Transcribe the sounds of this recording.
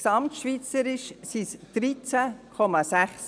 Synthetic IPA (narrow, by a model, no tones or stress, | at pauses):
sɑmtʃvit͡səɾɪʃsisd̪̥ɾit͡sækʰɔmɑsæχs